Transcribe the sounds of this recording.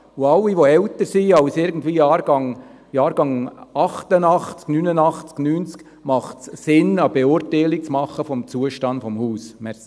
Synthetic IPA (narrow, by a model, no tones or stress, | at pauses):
ʊɑlːiʋoɛltəɾsiɑʊsɪɾɡən̩tviːjɑːɾɡ̥ɑŋ | jɑːɾɡ̥ɑŋɑχt̪ənɑχt͡sknyːnənɑχt͡sknyːnt͡sk | mɑχtssɪnɑb̥eʊɾtɛɪlik̚t͡smɑχəfɔmt͡suəʃtɑnd̥fɔmhuːsmɛɾsi